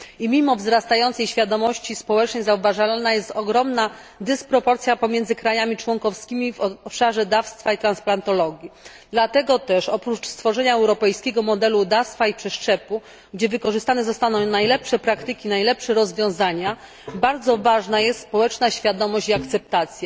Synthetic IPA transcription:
imʲimɔvzɾast̪ajɔnt̪sɛjɕfʲjad̪ɔmɔɕt͡ɕispɔwɛt͡ʂnɛjzauvaʐalnajɛst̪ɔɡɾɔmnad̪ɘspɾɔpɔɾt̪sʲjapɔmʲjɛnzɘkɾajamʲit͡ʂwɔŋkɔfskʲimʲivɔɔpʂaʐɛd̪afst̪fait̪ɾansplant̪ɔlɔɡʲji | d̪lat̪ɛɡɔt̪ɛʂɔpɾut͡ʂst̪fɔʐɛɲaɛwɾɔpɛjskʲɛɡɔmɔd̪ɛlud̪afst̪faipʂɛʂt͡ʂɛpu | ɡd͡ʑɛvɘkɔʐɘst̪anɛzɔst̪anɔ̃w̃najlɛpʂɛpɾakt̪ɘkʲinajlɛpʂɛɾɔzvʲjɔ̃w̃zaɲa | baɾd̪zɔvaʐnajɛst̪spɔwɛt͡ʂnaɕfʲjad̪ɔmɔɕt͡ɕiakt̪sɛp̚t̪at̪sʲja

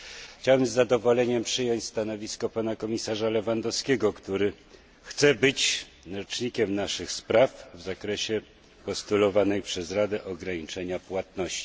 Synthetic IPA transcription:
xt͡ɕawɛmzːad̪ɔvɔlɛɲɛmpʂɘjɔɲt͡ɕʲst̪anɔvʲiskɔpanakɔmʲisaʐalɛvand̪ɔskʲɛɡɔkt̪uɾɘ | xt̪sɛbɘt͡ɕ | ɔt͡ʂɲikʲɛmnaʂɘxspɾafvzakɾɛɕɛ | pɔst̪ulɔvanɛjpʂɛzɾad̪ɛʔɔɡɾaɲit͡ʂɛɲapwat̪nɔɕt͡ɕi̥

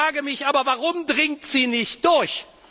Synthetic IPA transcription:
aːɡəmɪçʔaːbɐvaʁʊmdʁɪŋ̚tz̥iːnɪçt̚d̥ʊɐç

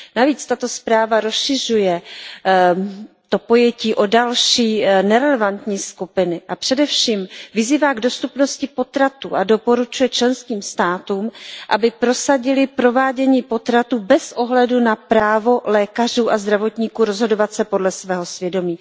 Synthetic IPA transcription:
naviːt͡st̪at̪o̞spɾaːvaɾo̞sʃɪr̝ujɛ | t̪o̞po̞jɛciːʔo̞dalʃiːnɛɾɛlɛvant̪ɲiːskupɪnɪʔapr̝̥ɛdɛfʃiːmvɪziːvaːɡdo̞st̪upno̞scɪpo̞t̪ɾat̪ṵːʔado̞po̞ɾut͡ʃujɛt͡ʃlɛnskiːmst̪aːt̪uːmʔabɪpɾo̞saɟɪlɪpɾo̞vaːɟɛɲiːpo̞t̪ɾat̪uːbɛsʔo̞ɦlɛdunapɾaːvo̞lɛːkar̝uːʔazd̪ɾavo̞t̪ɲikuːɾo̞zɦo̞do̞vat̪sɛpo̞dlɛsvɛːɦo̞svjɛdo̞miː

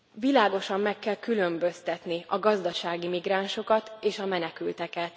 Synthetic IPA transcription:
vilaːɡo̞ʃɒmːɛkːɛlkylømbø̞st̪ɛt̪niɒɡɒzd̪ɒʃaːɡimiɡraːnʃo̞kɒt̪eːʃɒmɛnɛkylt̪ɛkɛt̪

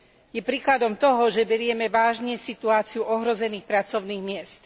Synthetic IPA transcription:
jɛpɾiːklad̪ɔmt̪ɔɦɔʒɛbɛɾɪɛmɛʋaːʒɲɛsit̪uaːt͡siuʔɔɦɾɔzɛniːxpɾat͡sɔʊniːɣmɪɛst̪

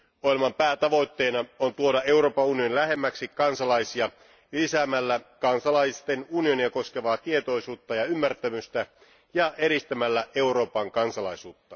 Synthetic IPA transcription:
ojelmɑmpæːt̪ɑʋo̞jt̪ːe̞ːnɑont̪uodɑʔe̞uro̞ːpɑunio̞nilæɦe̞mːæksikɑnsɑlɑjsiɑ | lisæmælːækɑnsɑlɑjst̪enunioniɑko̞ske̞ʋɑːt̪ie̞t̪o̞jsuːt̪ːɑjɑymːært̪æmyst̪æ | jɑʔe̞ɾist̪æmælːæe̞uɾo̞ːpɑŋkɑnsɑlɑjsuːt̪ːɑ

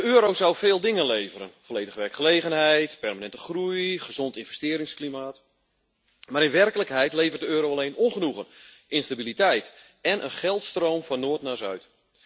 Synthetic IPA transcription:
əøːɾowzawfeːlˠdɪŋənlejvəɾə̰nfoleːdəχəʋɛrkχəlejɣənɦɛjtpɛrmanɛntə̥χrujχəz̥ɔntɪnvɛstɪːɾɪŋsklimaːt | maɾɪnʋɛrkələkɦɛjtlejvərtdəøːɾowaleːnɔnχənuɣənʔɪnstabilitɛjt | ɛnʔə̰nχɛlˠtstrowmfɔnːoːtnaːzœɥt

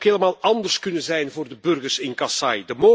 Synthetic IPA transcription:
kɦeːləmaːlˠɑndərskɵnənzɛjnvʊːrdəbɵrɣərsɪnkɑsɑjdəmo

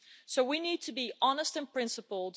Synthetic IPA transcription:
soʊwiniːd̚tʰɨbiʔɑnəstɨ̃npʰɹ̥ɪ̃nsəpəlˠd

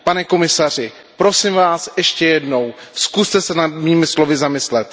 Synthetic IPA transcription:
panɛko̞mɪsar̝ɪ | pɾo̞sɪmvaːsɛʃcɛjɛdno̞wskust̪ɛsɛnad̪miːmɪslo̞vɪzamɪslɛt̪

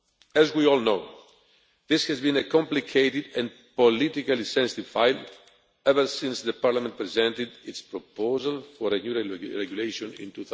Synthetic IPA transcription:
ɛzwiɔlˠnoʊ | ðishɛzbĩnekɔ̃mplikʰeɪt̪id̪ɛ̃n | polit̪ikalisɛ̃nsi̥t̪iv̥fajl | ɛvəɾsĩnsðəpaɾlamɛ̃nt̪̚pɾizɛ̃nt̪ɪd̪itspɾopozalfɔɾenjuɹɹɛɡjuleʃɔ̃nḭ̃nt̪uθ

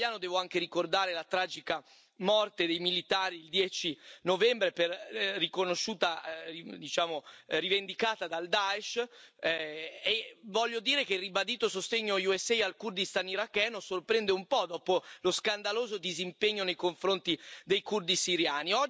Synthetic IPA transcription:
jaːnod̪ɛːvoaŋkeɾikord̪aːɾelat̪ɾaːd͡ʒika | mɔrt̪ed̪ejmilit̪aːɾiːld̪jɛːt͡ʃinovɛmbɾeperːikonoʃuːt̪aid̪it͡ʃaːmorivend̪ikaːt̪ad̪ald̪aeʃ | evɔʎːod̪iːɾekerːibad̪iːt̪osost̪eɲːojuɛsːɛjalkurd̪ist̪aniɾakːɛːnosorpɾɛnd̪eumpɔd̪ɔːpoloskand̪aloːzod̪izimpeɲːonejkoɱfɾont̪id̪ejkurd̪isiɾjaːniɔ

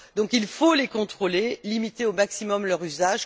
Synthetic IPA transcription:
d̪ɔ̃kilfolekɔ̃t̪χolelimit̪eomaksimɔmlœʁyzaʒ

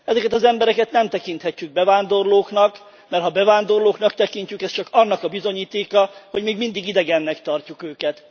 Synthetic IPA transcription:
ɛzɛkɛt̪ɒzɛmbɛɾɛkɛt̪nɛmt̪ɛkint̪hɛcːyɡ̚bɛvaːnd̪o̞rloːknɒk | mɛrt̪ɦɒbɛvaːnd̪o̞rloːknɒkt̪ɛkiɲt͡ʃykɛst͡ʃɒkɒnːɒkɒbizo̞ɲiːt̪eːkɒho̞ɟmeːɡmind̪iɡid̪ɛɡɛnːɛkt̪ɒrcukøːkɛt̪

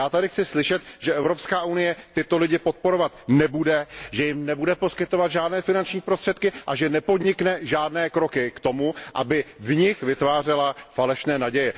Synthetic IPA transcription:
jaːt̪adɪxt͡sɪslɪʃɛt̪ʒ̥ɛʔɛvɾo̞pskaːʔunɪjɛt̪ɪt̪o̞lɪɟɪpo̞t̪̚po̞ɾo̞vat̪nɛbudɛʒɛjɪmnɛbudɛpo̞skɪt̪o̞vad̪ʒaːdnɛːfɪnant͡ʃɲiːpɾo̞st̪r̥ɛt̪kɪʔaʒɛnɛpo̞dɲɪknɛʒaːdnɛːkɾo̞kɪkt̪o̞muʔa̰bɪvɲɪxvɪt̪vaːr̝ɛlafalɛʃnɛːnaɟɛjɛ

